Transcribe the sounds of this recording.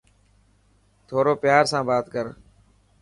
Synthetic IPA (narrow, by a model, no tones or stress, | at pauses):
t̪ʰoːɾoːpɪjaːɾsãːbaːt̪kəɾ